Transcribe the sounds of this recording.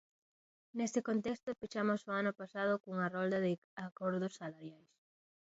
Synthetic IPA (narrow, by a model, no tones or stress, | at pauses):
nest̪ɪkont̪est̪opiʃamosoanʊpasað̞ʊkuŋɐrɔld̪ɐðɪ | akoɾðosːalaɾjajs